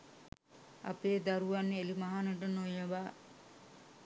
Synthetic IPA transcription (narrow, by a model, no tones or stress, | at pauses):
a̰peːd̪aɾuʋanːeelimaɦanəʈ̬ənojəʋaː